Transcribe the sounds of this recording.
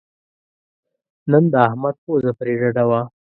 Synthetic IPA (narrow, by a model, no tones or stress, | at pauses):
nənd̪əahmad̪̚pozapɾeʐaɖawa